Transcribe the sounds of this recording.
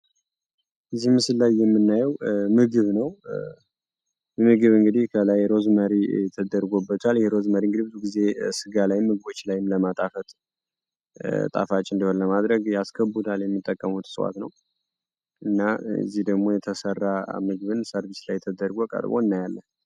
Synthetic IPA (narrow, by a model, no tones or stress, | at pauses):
ʔɨzːihmɨsɨlːajːɛmːɨnːajɛwmɨɡɨβnəw | jɛmɨɡɨβɨŋɡɨd̪ihkʰələjɾo̞zməɾiɛt̪ʰəd̪əɾɡo̞bːət̪ʼaljɛheɾo̞zməɾiɨŋɡɨd̪ibɨzuɡize̞sɨɡalajmːɨɡ̚ɨbo̞t͡ʃːlajɪmləmat̪ʼafət̪ʼ | t̪ʼa̰fat͡ʃʼːɨnd̪iho̞nləmad̪ɾəɡjaskʰəbud̪aljɛmːɨt̪ʼːəkʼːəmut̪sʼəwa̰t̪nə̰w | ʔɨnːa̰zːihd̪əɡmo̞jɛt̪ʰəsərːamɨɡɨβɨnsəɾβislajɛt̪ʰəd̪əɾɡokʼə̰ɾbo̞̰ɨnːajalːən